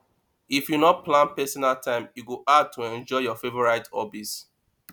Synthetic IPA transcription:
ifjunɔt̚plãnpɛsɔnaltʰãɪ̃mjuɡoʔad̚tʰuɛ̃nd͡ʒɔɪjɔfevɔɹaɪtɔbits

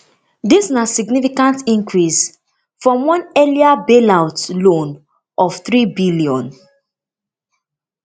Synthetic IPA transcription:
disnasiɡnifikãntĩŋkʰɹis | fɹɔ̃mwɔ̃nɛliabelaʊtlõn | ʔɔfθɹibiliɔ̃n

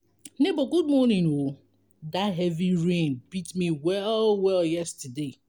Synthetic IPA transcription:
neboɡud̚mɔnĩno | daɦɛviɹẽnb̥itmiwɛlwɛljɛstɨde

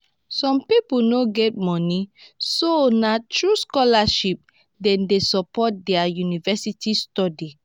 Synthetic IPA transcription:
sɔ̃mpipunoɡɛt̚mɔnisonatʰɹuskɔlaʃip̚ | dɛ̃ndesɔpɔt̚dɛajunivɛsitʰistɔdi

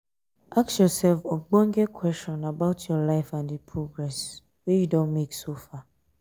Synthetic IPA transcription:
aksjɔsɛlfɔɡ͡bɔ̃ŋ̩ɡɛkʰwɛst͡ʃɔ̃nabaʊtʰjɔlaɪfãndipʰɹoɡɹɛs | wɛjudõnmeksofa

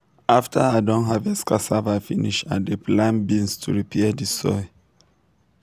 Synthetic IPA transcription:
aftʰaadɔ̃nɦavɛskʰasavafiniʃa̰depʰlãnbĩnstʰṵɹipʰɛdisɔ̰ɪ

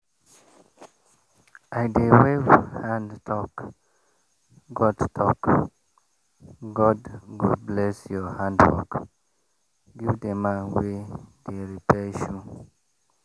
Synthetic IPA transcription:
ajdewevhãndtʰɔk | ɡɔdtʰɔk | ɡɔdɡudblɛsjɔhãndwɔ̰k | ɡivdɛmawedeɹipɛʃu

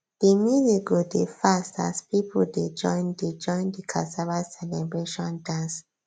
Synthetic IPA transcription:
d̥emiziɡodefasta̰spipʰulded͡ʒɔ̃ɪnded͡ʒɔ̃ɪ̃ndikʰa̰saɹasɛlɛbɹeʃɔ̃ndãns

